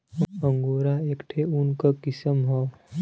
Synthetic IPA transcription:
əŋɡoɾaekʈʰeunkəkisəmɦɔw

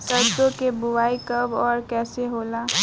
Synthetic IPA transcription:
səɾd̪õkebʊʋaːikɐbɔːɾkɛːseɦoːlaː

